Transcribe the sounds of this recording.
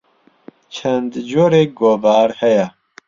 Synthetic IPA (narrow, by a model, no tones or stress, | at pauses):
t͡ʃʰɛnd̪d͡ʒoːɾeːɡoːvaːɾhɛjɛ